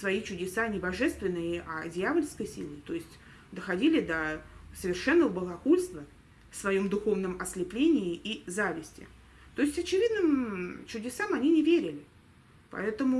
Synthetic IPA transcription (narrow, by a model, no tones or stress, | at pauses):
svɐit͡ɕʊdʲɪsanʲɪbɐʐɛst̪vʲɪnːɨjəʔɐ̰dʲɪjavəlʲskəjsʲḭlˠɨt̪o̞jɪsʲtʲ | d̪əxɐdʲilʲɪd̪əsəvʲɪrʂɛnːəvəbəlˠɐkulʲst̪və | fsvɐjo̞md̪ʊxo̞vnəmɐslʲɪplʲenʲɪɪʔizavʲɪsʲtʲɪ̰ | t̪o̞ɪsʲtʲɐt͡ɕɪvʲid̪nɨmt͡ɕʊdʲɪsamɐnʲinʲɪvʲeɾʲɪlʲɪ | pɐ̰ɛt̪əmʊ